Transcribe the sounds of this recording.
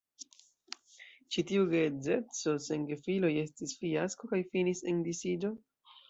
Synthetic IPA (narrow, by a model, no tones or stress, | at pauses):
t͡ʃitiuɡeze̞t͡so̞seŋɡefilo̞je̞stisfiasko̞kajfinise̞ndisid͡ʒo̞